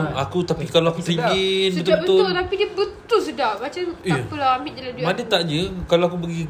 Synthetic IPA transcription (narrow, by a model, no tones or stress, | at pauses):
akut̪apikaloakut̪iinbət̪ʊbəbət̪ʊʊt̪apidiəbət̪ʊlsədaʔbat͡ʃamiapəlaamɪt̪̚əladumadət̪aʔɲəkaloakubəɡi